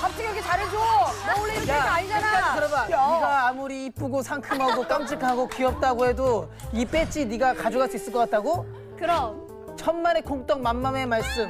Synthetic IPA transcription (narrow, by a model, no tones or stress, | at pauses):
pap̚t͡ɕ͈iɡijokʰet͡ɕaɾed͡ʑuuɭːeaaɲid͡ʑanaakɯɾʌbaiɡaːmuɾiːp͈uɡosʰaŋkʰɯmɦaɡok͈amt͡ɕ͈ʰɯkʰaɡokiʌp̚t͈aɡoɦe̞do | ip͈e̞t͡ɕ͈iniɡakad͡ʑuɡas͈ois͈ɯɭk͈ʌk͈at̚t͈aɡo | kɯɾʌ | t͡ɕʰʌnmane̞koŋt͈ʌŋmamːame̞maɭs͈ɯm